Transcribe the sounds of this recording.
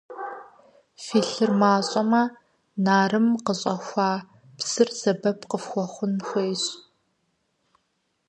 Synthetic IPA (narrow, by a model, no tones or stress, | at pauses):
fiːɬɨrmaːɕʼɐmɐ | naːrɨmqəɕʼɐxʷɑː | psɨrz̥ɐbɐpqəfxʷɔχʷʊnxʷejɕʼ